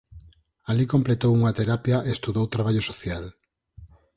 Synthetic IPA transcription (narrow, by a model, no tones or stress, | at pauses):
alikomplet̪owuŋat̪eɾapjaʔeest̪uðowt̪ɾaβaʎosoθjal